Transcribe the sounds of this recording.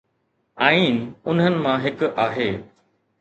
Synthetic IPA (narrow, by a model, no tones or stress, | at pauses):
aːiːnʊnɦənɪ̆mãɦɪkaːɦeː